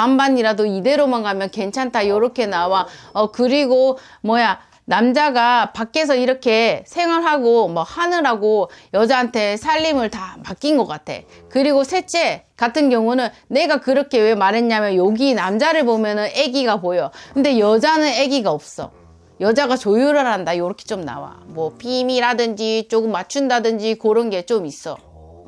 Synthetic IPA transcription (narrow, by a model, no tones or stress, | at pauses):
ambaɲiɾadoide̞ɾomaŋɡamjʌnke̞nt͡ɕʰantʰajʌɾʌkʰe̞nawaʌkɯɾiɡo | mʌja | namd͡ʑaɡapak͈e̞s̬ʰʌiɾʌkʰe̞sʰe̞ŋwaɭɦaɡomʌhanɯɾaɡojʌd͡ʑaɦantʰe̞sʰaʎːimɯɭtamak͈inɡʌk͈atʰe̞̰ | kɯɾiɡosʰe̞t͡ɕ͈e̞katʰɯnɡjʌŋunɯnːe̞ɡakɯɾʌkʰe̞we̞maɾɦe̞ɲamjʌnjoɡinamd͡ʑaɾɯɭbomjʌnɯne̞ɡiɡapojokɯnde̞jʌd͡ʑanɯne̞ɡiɡaʌp̚s͈ʌ̰ | jʌd͡ʑaɡat͡ɕojuɾɯɭɦandajoɾʌkʰe̞̥t͡ɕomna̰wa̰mwʌpʰimiɾadɯnd͡ʑit͡ɕoɡɯmːat͡ɕʰundadɯnd͡ʑikoɾɯnɡe̞t͡ɕomis͈ʌ̰